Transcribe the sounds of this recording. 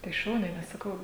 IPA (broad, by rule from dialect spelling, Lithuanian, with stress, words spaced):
tɐɪ ˈʃɐʊnʲɛɪ nʲɛs sɐˈkɐʊ